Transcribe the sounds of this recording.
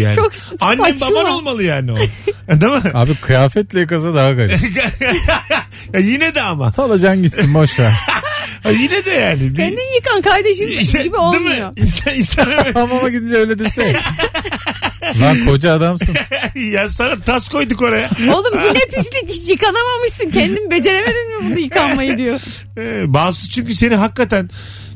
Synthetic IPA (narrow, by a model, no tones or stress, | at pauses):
ja̰ːt͡ʃʰokanːɛmbabano̞lˠmalˠɯjaːniod̪amɯaːbikʰɯjaːfɛt̪lʲɛjik̬azad̪aɦakaj | ajinɛd̪ɛama̰salˠad͡ʒamɟit̪sinboʃa | ajinɛd̪ɛjaːnibɛnd̪ijɯkankaɾd̪eʃɯibiolmmɯjoinsaninsanevɛamamaɟid̪ind͡ʒɛøjlʲɛd̪esɛ | vankʰo̞d͡ʒaːd̪amsɯjaːnsanat̪ʰasko̞jd̪uko̞ɾajaolˠumiepislʲijikanamamɯʃsɯncʰɛnd̪imibed͡ʒe̞ɾeme̞d̪inmibunujɯanmajid̪ijo | ɛbaːsɯt͡ʃʰyɲcyse̞niɦakːat̪æn